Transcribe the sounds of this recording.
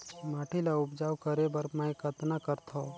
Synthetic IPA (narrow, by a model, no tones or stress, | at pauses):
maːʈʰilaʊpd͡ʒaːwkəɾebəɾməkət̪nakəɾt̪ʰo